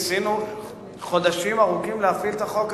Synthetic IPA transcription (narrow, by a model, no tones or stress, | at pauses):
sinu | χo̞d̪aʃimaʁukimleafilt̪aχo̞k